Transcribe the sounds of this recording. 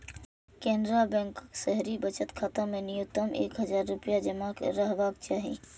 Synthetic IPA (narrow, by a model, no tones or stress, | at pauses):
kẽːndɾabɛ̃ːŋkəksɛɦɾibət͡ʃət̪kʰaːt̪amẽnɪjʊt̪ːəmʔḛːkɦəd͡ʒaːɾːʊpijad͡ʒəmakɾəɦʋaːkt͡ʃaːɦḭ